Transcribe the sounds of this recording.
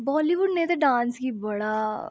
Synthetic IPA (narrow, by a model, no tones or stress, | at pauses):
bɔːliʋʊɖnẽt̪ɐɖãːnskibɐɽa